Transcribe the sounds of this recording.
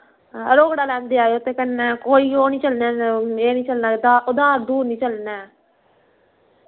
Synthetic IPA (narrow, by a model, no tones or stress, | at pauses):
əɾoːkɽaːlɛ̃ːnd̪eːaːeot̪ːẽːkənːɛːkoːiːoːnĩːt͡ʃəlnɛːeːnĩːt͡ʃəlnaːd̪aːʊd̪aːɾd̪uːɾnĩːt͡ʃəlnɛː